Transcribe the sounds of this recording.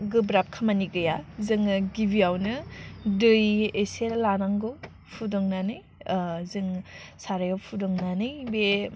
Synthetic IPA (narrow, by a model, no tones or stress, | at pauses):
ɡɯbɾap̚kʰamaniɡɯjazɯŋɡibiawnɯdɯjeseɾlanaŋɡɯ | pʰudɔŋnanɯj | zɯŋsaɾajawpʰudɔŋnanɯjbe